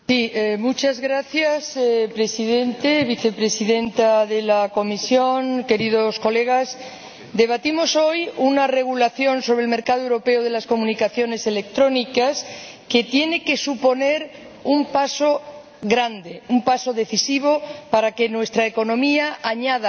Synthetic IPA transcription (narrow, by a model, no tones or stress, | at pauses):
siemut͡ʃazɣɾaθjasepɾe̞siðe̞nt̪e̞βiθe̞pɾe̞siðe̞nt̪aðe̞lako̞misjo̞ŋke̞ɾiðo̞sko̞le̞ɣ̞as | d̪e̞βat̪imo̞so̞junare̞ɣ̞ulaθjo̞nso̞β̞ɾelme̞ɾkaðoewɾope̞oðe̞lasko̞mũnikaθjo̞ne̞se̞le̞k̚t̪ɾo̞nikaske̞t̪je̞ne̞ke̞supo̞ne̞ɾ | umpaso̞ | ɣɾand̪e̞umpaso̞ðe̞θisiβ̞o̞paɾake̞nwe̞st̪ɾaeko̞nõ̞miaaɲaða